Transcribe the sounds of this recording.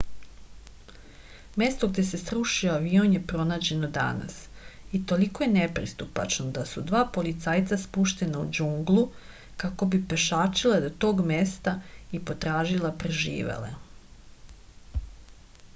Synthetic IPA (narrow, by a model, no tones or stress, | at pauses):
me̞st̪oɡ̚d̪e̞se̞sɾuʃioaʋio̞nje̞pɾo̞naːd͡ʑe̞no̞d̪a̰na̰sit̪o̞likoje̞nepɾḭst̪upa̰t͡ʃnod̪asud̪ʋaːpo̞lit̪saːjt̪saspuʃt̪e̞naṵd͡ʑuŋɡlˠu | kako̞bipeʃaːt͡ʃilad̪ot̪o̞ːɡmest̪aipo̞t̪ɾaːʒilˠapɾeʒḭːʋḛlḛ